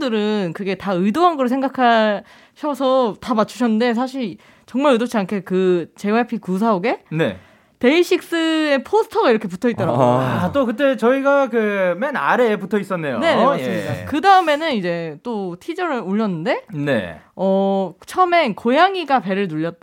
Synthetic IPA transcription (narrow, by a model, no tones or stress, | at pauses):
dɯɾɯnkɯɡe̞taɯidoɦanɡɯɾosʰeŋɡakʰa | ɕʰʌsʰʌtamat͡ɕʰuɕʰʌnːɯnde̞s̬ʰaɕ̬ʰiɭ | t͡ɕʌŋmaɭɯjdot͡ɕʰiankʰekɯt͡ɕe̞apʰikus̬ʰaoɡe̞ne̞̰ | te̞iɕʰik̚s͈ɯepʰosʰɯ̥tʰʌɡaiɾʌkʰep̬utʰʌitt͈ʌɾa̰ɡt͈okɯt̬͈e̞t͡ɕʌiɡakɯmena̰ɾeputʰʌis͈ʌnːejone̞sakɯdaɯme̞nɯnid͡ʑe̞t͈otʰid͡ʑʌɾɯɭuʎːʌnːɯnde̞nḛʌt͡ɕʰʌme̞nkojaŋiɡape̞ɾɯɭnuʎːʌt̚t͈